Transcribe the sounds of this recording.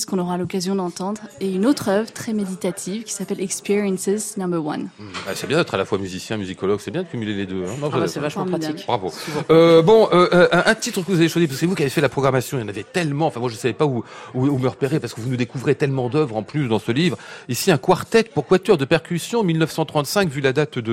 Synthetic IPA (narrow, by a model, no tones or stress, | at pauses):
skɔ̃nɔʁalɔkazjɔ̃d̪ɑ̃t̪ɑ̃d̪ʁeynot̪χœvʁt̪χɛmed̪it̪at̪ʰivkʲi̥sapɛlɛkspiʁjɛnsɛznɑ̃bɛʁwa̰nm̩bɛ̰sɛbjɛ̃d̪ɛt̪χalafwamyzisjɛ̃myzikɔlɔɡsɛbjɛ̃d̪əkʲymyleled̪øɛ̃nɔ̃asɛvaʃm̃maikbʁavo̰øbɔ̃øʔʔɛ̃ʔɛ̃t̪it̪χəkəvuzaveʃwazipaskə̥sɛvukʲiavefɛlapχɔɡʁamasjɔ̃jɑ̃navet̪ɛlmɑ̃ɑ̃fɛ̃mwaʒəsavɛpauuuməʁpeʁepaʁsəkəvunud̪ekuvʁet̪ɛlmɑ̃d̪œvʁɑ̃plys̬d̪ɑ̃səlivʁisiɛ̃kwaʁt̪ɛt̪puʁkwat̪œʁd̪əpɛʁkʲysjɔ̃milnœfsɑ̃t̪χɑ̃t̪sɛ̃kvylad̪at̪d̪ə